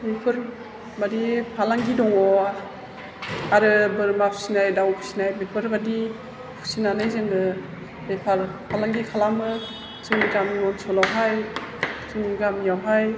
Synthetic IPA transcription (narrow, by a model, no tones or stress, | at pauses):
bepʰɯɾ | badipʰalaŋɡidɔŋɔ | aɾɯbɯɾmapʰsinajdawpʰu̥sinajbepʰɯɾbadi | pʰu̥sinanɯjzɯŋdɯ | bepʰaɾpʰalaŋɡikʰalamɯ | t͡ʃɯŋniɡamŋɔnsɔlawɦaj | t͡ʃɯŋniɡamijawɦaj